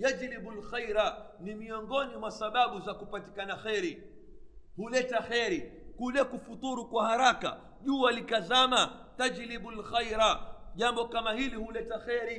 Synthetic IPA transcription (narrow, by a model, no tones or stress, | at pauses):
jad͡ʒliɓulxajɾa | nimiɔŋɡɔnimwasaɓaɓuzakupati̥kanaxɛɾi | hulɛtaxɛɾikulɛkufut̪uɾukwahaɾaka̰ | ʄuːalikazama | tad͡ʒliɓulxajɾaʄambɔkamahilihulɛtaxɛɾi